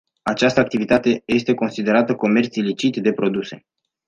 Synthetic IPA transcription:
at͡ʃast̪əakt̪ivit̪at̪e̞je̞st̪e̞ko̞nsid̪e̞ɾat̪əko̞me̞rt̪silit͡ʃit̪d̪e̞pɾo̞d̪use̞̰

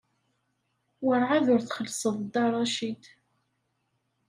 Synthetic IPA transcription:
wəɾˤʕaðʊɾθχəlsˤəðˤd̪ɑɾˤɑʃid̪

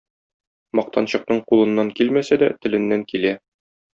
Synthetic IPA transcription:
mɒq̚t̪ʰɑnɕɤ̆q̚nɤɴqulˠɤ̆nːɑŋkilmæsæd̪æt̪ɘ̆lɘ̆nːæŋkilæ

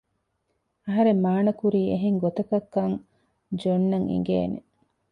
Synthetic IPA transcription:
ɐɦɐɾemmːaːnɐkuɾiːeɦeŋɡot̪ɐkɐkːɐŋ | d͡ʒonːɐŋḭŋ̆ɡḛːnḛ

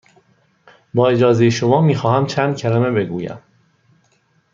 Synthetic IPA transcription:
bɒːed͡ʒɒːzejeʃomɒːmiːxɒːhæmt͡ʃʰæːnd̪̥̚cʲʰælæmebe̞ɡuːjæ̰m

